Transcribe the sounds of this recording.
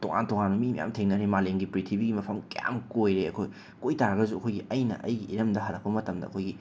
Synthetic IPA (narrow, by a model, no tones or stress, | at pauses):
toŋa̰ntoŋanbɐmimɐ̰ja̰mtʰeŋnɐɾimaleŋɡipɾitʰibiɡimɐpʰɐmkeja̰mkojɾeɐkʰoj | kojtaɾɐɡɐzuɐkʰojɡiʔɐjnɐ̰ʔɐ̰jɡiʔiɾɐmdɐɦɐɾɐk̚pɐmɐtɐmdɐ̰ɐ̰kʰojɡi